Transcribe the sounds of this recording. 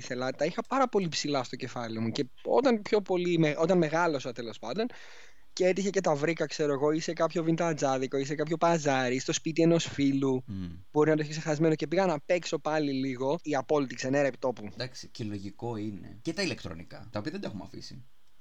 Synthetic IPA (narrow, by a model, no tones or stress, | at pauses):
iθelɐt̪ɐixɐpɐɾɐpo̞lipsilɐst̪o̞ce̞fɐliomuce̞ | o̞̰t̪ɐnpço̞po̞limeo̞t̪ɐnme̞ɣɐlo̞sɐt̪e̞lo̞spɐnd̪o̞n | ceet̪içece̞t̪ɐvɾikɐkse̞ɾo̞eɣo̞ise̞kɐpço̞vint̪ɐd͡zɐðiko̞is̬e̞kɐpço̞pɐzɐɾist̪spit̪ie̞nosfilub̥o̞ɾinɐt̪oiç̬ekse̞xɐzme̞noce̞piɣɐnɐpe̞kso̞pɐliliɣo̞iɐpo̞lit̪ikseneɾɐepit̪o̞pud̪ɐksiceloʝiko̞ine̞̰cet̪ɐile̞kt̪ɾo̰nikɐ̰t̪ɐopiɐðed̪ɐumɐ̰fḭsḭ